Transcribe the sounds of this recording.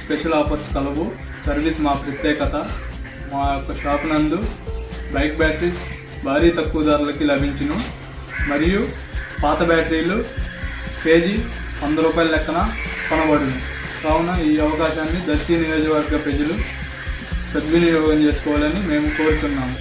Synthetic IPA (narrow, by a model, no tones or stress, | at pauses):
speʃɐlaːpɐɾskɐlɐʋu | sɐɾʋismaːpɾɐt̪jɛːkɐt̪ɐ | maːjokːɐʃaːpnɐnd̪ubɐjkbʲjaːʈɾis | bʱaːɾiːt̪ɐkːuʋɐd̪aːɾulɐkilɐbʱiɲt͡ʃinu | mɐɾiju | paːt̪ɐbʲaːʈɾiːlu | ke̞ːd͡ʒi | ɐnd̪ɐɾuːpaːjlɐlɛkːɐnapɐnɐbɐɽund̪i | kaːwunːɐiːɐʋɐkaːʃaːnːid̪ɐɾsijɐnijoːd͡ʒɐʋɐɾɡːɐpɾɐd͡ʒulu | sɐd̪ʋɐnijɔːɡɐmt͡ʃe̞ːsu̥kɔːʋaːlɐnime̞ːmuko̞ːɾut̪unːaːmu